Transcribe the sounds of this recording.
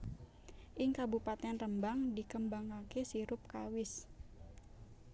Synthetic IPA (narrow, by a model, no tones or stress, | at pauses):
ʔɪŋkabupat̪ɛnrəmbaŋdikəmbaŋkakesiɾʊp̚kawɪs